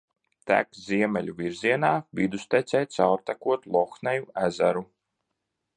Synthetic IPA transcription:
t̪æ̰kzʲiɛmɛlʲuvʲiɾziɛnaːvid̪ust̪ɛt̪sɛjt̪sawɾt̪akuɔt̪lˠɔxnɛjuæzæɾu

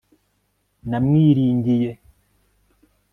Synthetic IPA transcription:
namŋiːɾiːɲɡije

